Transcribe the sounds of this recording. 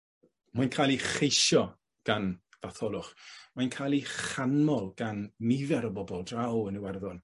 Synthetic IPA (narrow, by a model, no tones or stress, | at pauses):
majnkʰajlˠiχejʃɔ | ɡ̥an | v̥aθɔlˠʊχmajnkʰaːlˠiχanmɔlˠɡ̥anːɪvɛɾəbɔbɔlˠdrawəniwɛrðɔn